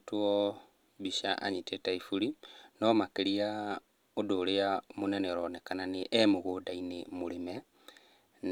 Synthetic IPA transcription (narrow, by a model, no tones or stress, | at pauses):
tuɔ | βiʃa̰ʔa̰ɲitetaifuɾinɔmakeɾia | odoleamonɛnɛɾɔnɛkananeʔɛmoɣodainemulemɛ | n